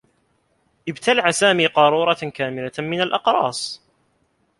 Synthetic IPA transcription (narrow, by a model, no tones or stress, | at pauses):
ʔɪbt̪ʰalaʕsaːmiːqɑɾˤuːɾˤɑkaːmɪlamɪnalʔɑqɾˤɑ̰ːsˤ